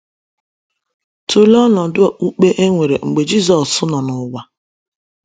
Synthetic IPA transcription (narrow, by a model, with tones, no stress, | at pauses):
tu˨lɔ˦nɔ˨dʊ˦˨ʔu˦k͡pe˦ʔe˦ŋʷe˨ɾe˨ŋ͡m̩˨ɡ͡be˨d͡ʒi˦˨zɔ˨ssʊ˦nɔ˨nʊ˦ɡʷa˦